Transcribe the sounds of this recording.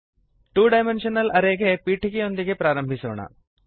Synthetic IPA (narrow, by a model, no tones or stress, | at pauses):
ʈuːɖɐjmenʂɐnɐlɐɾeːɡepiːʈiɡeond̪iɡepɾaːɾɐmbʱisoːɳɐ̰